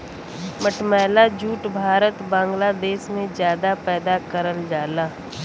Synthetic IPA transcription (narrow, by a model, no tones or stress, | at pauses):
məʈmɛːlad͡ʒuːʈbʱaːɾət̪bãːŋɡlaːd̪eːʃmẽzjaːd̪apɛːd̪akəɾəld͡ʒaːlaː